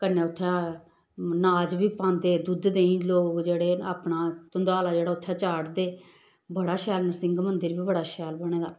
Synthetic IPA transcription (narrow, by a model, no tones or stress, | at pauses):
kənːẽːʊt̪ʰːɛ̃ː | naːd͡ʒbiːpãːnd̪eːd̪ud̪d̪eːĩːloːkd͡ʒeːɽeːa̰ːpnaːt̪ʊnd̪aːlaːd͡ʒeːɽaːʊt̪ʰːɛ̃ːt͡ʃaːɽd̪eː | bəɽaːʃɛːlnəsɪ̃ŋɡmənd̪ɪɾbiːbəɽaːʃɛːlbəɽ̃eːd̪aː